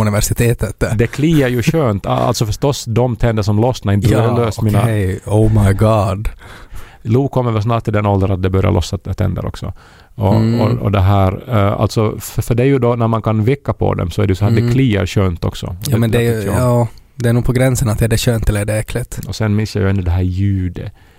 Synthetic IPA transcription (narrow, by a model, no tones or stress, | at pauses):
ɵnɪvɛʂɪt̪ʰeːt̪ət̪d̪ɛkʰliːəɾjʉɕøːnt̪a̰lt̪sɔfœʂʈɔsd̪ɔmt̪ʰɛnd̪əʂɔmlɔsnaɾɪnɾløːsmiːnaoʊmaɪɡɑːd̪ | luːkʰɔmːəɾvɛlsnɑːʈ̪̚ʰːɪld̪ɛnːɔld̪əɾat̪̚d̪ɛbœɾja̰lʔɔ̰sːat̪ʰɛ̰nd̪ə̰ɾɔ̰ksɔ̰ | ɔɔɔ̰d̪ɛɦæːɾa̰lt̪sɔfœɖɛæɾjɵd̪ɔnæɾmankʰanvɪkːapʰɔ̰d̪ɛ̰msɔæɖɛjʉsɔæːd̪ɛkʰliːə̰ɾɕøːnt̪ɔ̰ksɔ̰ɔjmɛnd̪ɛɾjɑːd̪ɛæːnuːɡpʰɔɡɾɛnsənat̪ɛæɖɛɕøːnt̪ɛlːəɛɖɛɛkʰlɪt̪ɔsɛnːmɪnsːja̰jʉɛnːʉd̪ɛɦæːɾjʉ̟ːd̪ə